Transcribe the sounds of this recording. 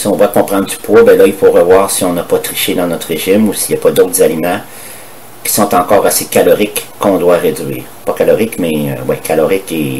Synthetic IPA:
siɔ̃d̪wakɔ̃pʁɑ̃d̪̚d͡z̪ypwɔbɛ̃lʌilfoʁəvwaːʁsiɔ̃napʌt̪ʁiʃed̪ɑ̃nɔt̪ʁeʒɪmusijapʌd̪oʊt̪χzalimɑ̃ | kʲi̥sɔ̃t̪ɑ̃kɔːʁasekʲalɔʁɪkːɔ̃d̪waʁed͡zɥḭːʁpʌkalɔʁɪkmɛø̰wɛkʰalɔʁɪke

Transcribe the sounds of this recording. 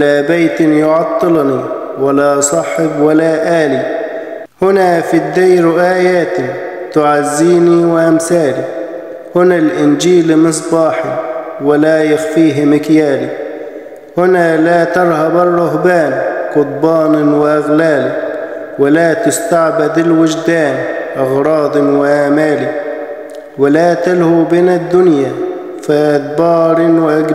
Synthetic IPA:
laːbajt̪jʊʕɑt̪ˤːɨlni | walasˤɑħɪbwalaːʔaːli | hʊnafid̪ːajɾʊʔaːjaːt̪i | t̪ʊʕazːiːniwɪʔamθaːli | hʊnalʔɪnd͡ʒiːlmɨs̬ˤbɑːħi | wɪlaːjaxfiːɦmɪkjaːli | hʊnalaːt̪ɑɾˤhabɑrˤːʊɦbaːnqʊt̪̚ˤbɑːnwɪʔaɣlaːlɪ | wɪlaːt̪ʊst̪aʕbɪd̪ɪlwɪd͡ʒd̪aːnʔɑɣɾˤɑːd̪ˤɪwɪʔaːmaːli | wɪlaːt̪alhuːbɪnad̪ːʊnjaː | faʔad̪bɑːɾˤɪwɪʔaɡ

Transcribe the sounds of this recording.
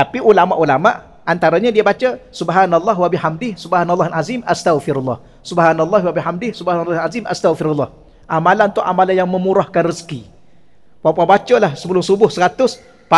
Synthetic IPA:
t̪apiʔulama̰ʔulamaʔ | ant̪aɾaɲadiabat͡ʃəsubɦanalˠˤːɑɦwabiħamdɪhsubhanalˤːɑɦalazimast̪aɣfɪɾalːɑ̰h | subhanalˠˤːɑɦwabiħamdɪhsubhanalːɑɦazimʔa̰st̪aɣfiɾalːɑh | ʔamalannt̪ʊʔamalanjaŋmə̃muɾahkanrisə̥ki | papabat͡ʃəlahsəpəlʊŋsubʊhsəɾat̪ʊs | pa

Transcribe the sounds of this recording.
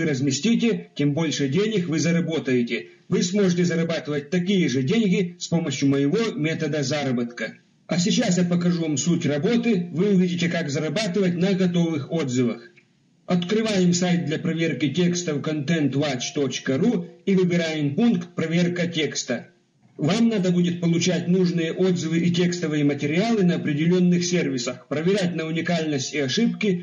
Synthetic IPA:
ɨɾəzmʲɪsʲtʲitʲɪtʲembo̞lʲʂɨdʲenʲɪxvɨzɐɾɐbo̞t̪əjɪtʲɪ | vɨsmoʐɨtʲɪzɐɾɐbat̪ɨvət̚ʲt̪ɐkʲijəʐɨdʲenʲɡʲɪspo̞məɕjʊməjɪvomʲet̪əd̪əzaɾɐbət̪kə | ɐsʲɪt͡ɕasjapəkɐʐuvamsutʲrɐbo̞t̪ɨvɨʊvʲidʲɪtʲɪkakzɐɾɐbat̪ɨvətʲnɐɡɐt̪ovɨxod̪zɨvəx | ɐt̪kɾɨvajɪmsajt̪̚d̪lʲɐpɾɐvʲe̞rkʲɪtʲe̞kst̪əvkɐnt̪ɛnt̪vat͡ɕt̪ot͡ɕkəɾuivɨbʲɪɾajɪmpunkt̪̚pɾɐvʲe̞rkətʲe̞kst̪ə | vamnad̪əbudʲɪt̪̚pəlˠʊt͡ɕætʲnuʐnɨjəʔod̪zɨvɨʔɪtʲe̞kst̪əvɨjəmətʲɪɾʲɪalˠɨnɐɐpɾʲɪdʲɪlʲo̞nːɨxsʲervʲɪsəxpɾəvʲɪɾʲætʲnəʊnʲɪkalʲnəsʲtʲɪɐʂɨpkʲɪ

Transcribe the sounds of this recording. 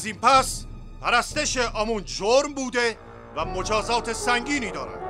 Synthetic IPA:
zimpʰæs | pʰæɾæst̪eʃeʔɒːmund͡ʒoɾmbuːd̪e̞ | væmod͡ʒɒːzɒːt̪ʰe̞sæŋɡiːniːd̪ɒːɾæ̰d̪̥

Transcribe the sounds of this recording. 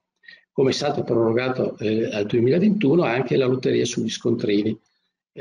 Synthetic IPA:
komeɛst̪aːt̪opɾoɾoɡaːt̪oald̪uemiːlavent̪uːnoaŋk̟elalot̪ːeɾiːasuʎːiskont̪ɾiːni

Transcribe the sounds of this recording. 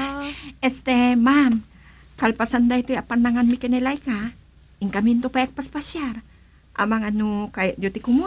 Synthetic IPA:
ɛst̪emam | kalpasand̪ajt̪ojapanːaŋanmikenelajka | ɪŋkamint̪opajak̚paspasjar | ʔa̰maŋanukajd͡ʒot̪ikumu

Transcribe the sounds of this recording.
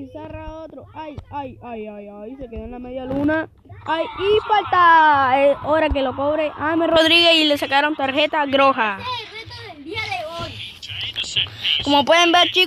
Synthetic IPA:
isaraot̪ɾoajajajajajisekeðanlameðjaluna | ajifalt̪aeoɾakelokoβɾeʔajmeroðɾiɣeilesakaɾont̪aɾxe̞t̪aɣɾoxa | komopweðembeɾt͡ʃi

